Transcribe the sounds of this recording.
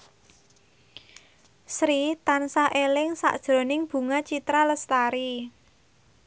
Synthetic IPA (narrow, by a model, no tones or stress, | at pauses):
sɾit̪ansaʔelɪŋsa̰ʔd̥ʒ̥ɾo̤nɪŋb̥ṳŋat͡ʃit̪ɾaləst̪aɾi